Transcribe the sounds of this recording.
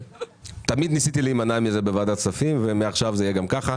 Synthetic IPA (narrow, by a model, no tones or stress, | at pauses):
t̪amid̪nisit̪iliimanamizebevad̪at͡safimvemeaχʃavzeijeɡamkaχa